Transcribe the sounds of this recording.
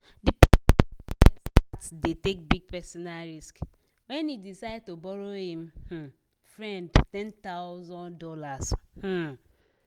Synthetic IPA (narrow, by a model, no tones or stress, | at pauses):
dip | statdetek̚biɡ̚pɛsɔnaɹisk | wɛ̃nidisaɪd̚tobɔɾohĩmh̩ | fɹɛ̃ndtɛ̃ntaʊzɔ̃ndɔlash̩